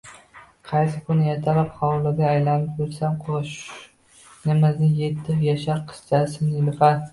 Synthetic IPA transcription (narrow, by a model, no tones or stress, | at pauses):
qʰɑjsɪkʰʊnɪjet̪ʰalapχɒwlˠɪɡ̪ʲaːjlanɪp̚beɾsamqʰoʃ | nɪmɪznɪjet̪ʰːɪjaʃaɾqʰɨ̥st͡ʃ̪ʰasɪnɪlɪfaɾ